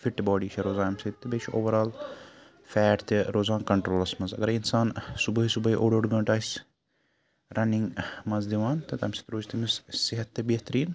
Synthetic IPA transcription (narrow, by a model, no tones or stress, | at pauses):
fiʈːbɔːɖiːt͡ʃʰɐɾoːzaːnmsɐt̪t̪ːebeːt͡ʃʰʔoːʋɐɾaːl | fɛːʈt̪eɾoːzaːnkɐɳʈɾoːlɐsmɐnzɐ̰ɡɐɾinsaːnsubɐɦisubɐɦiʔoːɖoːɖɡɐ̃ːɳʈaːs | ɾʔɐniŋɡmɐnzd̪iʋaːnt̪ɐt̪ɐmsi̥t̪ɾoːd͡ʒt̪imizsiɦɐt̪ːebeːɦt̪ɐɾiːn